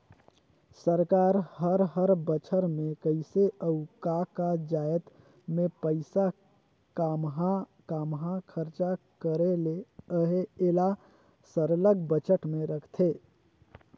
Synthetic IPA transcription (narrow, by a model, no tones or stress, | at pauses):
səɾkaɾhəɾɦəɾbət͡ʃʰəɾmekəɪseʔəukakad͡ʒajt̪ | mepəɪsa | kɦ | kamɦakʰəɾt͡ʃakəɾeleəɦeːla | səɾləɡbət͡ʃəʈmeɾəkʰt̪ʰe